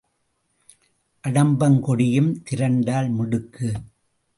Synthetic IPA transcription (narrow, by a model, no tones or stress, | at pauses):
ʔɐɽɐmbɐŋkɔɽɪjɯmt̪ɪɾɐɳɖaːlmʊɽɯkːɯ